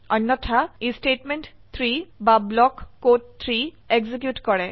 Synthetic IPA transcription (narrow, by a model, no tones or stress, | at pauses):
ɔnːɔtʰaisʈeʈmenʈt̪ʰɹibablɔkːott̪ʰɹi | eɡzik̬juʈkɔɹɛ